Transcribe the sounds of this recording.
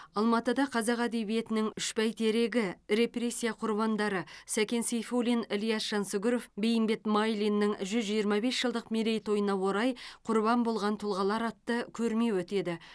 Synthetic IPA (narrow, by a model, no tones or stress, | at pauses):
ɑlˠmɑt̪əd̪ɑqʰɑzɑqæd̪e̞βije̞t̪ɪnɪŋʏʃpæjt̪ʰeɾe̞ɡʲɪɾe̞pre̞sʲːijaqʰʊɾβɑnd̪ɑɾəsækʲe̞nsijfolinelijɑsʃɑnsʊɡʲɪɾofbe̞jɪmbe̞t̪majlinːɪŋʒʏzʒijəɾmɑbe̞sʒ̥əlˠd̪əqmeɾe̞jt̪ʰo̞jənɑwo̞ɾɑjqʰʊɾbɑmbo̞lˠʁɑnt̪ʰʊlˠʁɑlˠɑɾɑt̪ːəkʲʰɵɾme̞wɵt̪e̞d̪ɪ